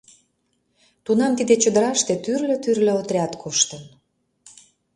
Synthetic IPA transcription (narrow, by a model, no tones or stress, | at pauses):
t̪unɑmt̪id̪et͡ɕəd̪əɾɑʃt̪et̪yrlø̆t̪yrlʲøot̪rʲɑt̪kʰoʃt̪ə̆n